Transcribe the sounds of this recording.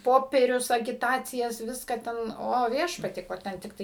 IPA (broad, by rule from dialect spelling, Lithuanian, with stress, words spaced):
ˈpoːpʲɛrʲʊs ɐɡʲɪˈtɑːt͡sʲɪjɛs ˈʋʲɪskɑː ˈtʲɛn ˈoː ˈʋʲiɛʃpɐtʲiɛ ˈkoː ˈtʲɛn tʲɪkˈtɐɪ